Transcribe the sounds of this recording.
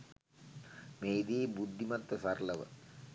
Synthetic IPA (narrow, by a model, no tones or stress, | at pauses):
meːid̪iːbud̪ʱːimat̪ːəsaɾləʋə̰